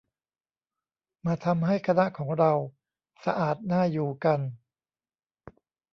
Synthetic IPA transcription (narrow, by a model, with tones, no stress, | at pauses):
maː˧t̪ʰa˧mɦa˥˩jkʰa˧na˦˥ʔkʰɔː˩˦ŋɾa˧w | sa˧ʔaː˨˩t̪̚naː˥˩juː˨˩ka˧n